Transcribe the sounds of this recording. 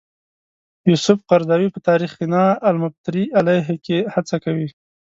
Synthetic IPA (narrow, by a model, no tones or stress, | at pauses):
jusʊfqaɾd̪ɑwipət̪ɑɾixkinɑalmab̚t̪ɾiʔalaɦekehat͡sakawi